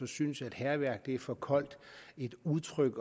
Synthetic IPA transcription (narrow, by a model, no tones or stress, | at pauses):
ɒ̽synsæd̥hæɐʋæɐ̰ɡ̥̚d̥e̝æɐfɒ̽kʰɒ̽l̰d̥e̝d̥uðˠt͡sʰʁœɡ̥